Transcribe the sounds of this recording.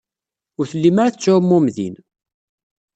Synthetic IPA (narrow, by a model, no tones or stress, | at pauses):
ʊɾθəlːimaɾaθt͡sːʊmːumðḭn